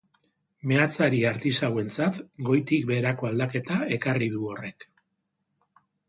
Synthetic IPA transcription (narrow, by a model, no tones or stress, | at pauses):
me̞at͡saɾiaɾt̪isawe̞nt͡sat̪ɡo̞jt̪ik̚be̞ːɾako̞ald̪ake̞t̪ae̞kariðuo̞re̞k